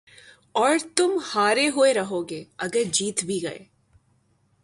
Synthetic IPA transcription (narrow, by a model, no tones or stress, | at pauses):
ɔːɾt̪ʊmhaːɾeɦʊeɾɐɦoːɡeːɐɡəɾd͡ʒiːt̪bʱiɡɐḛː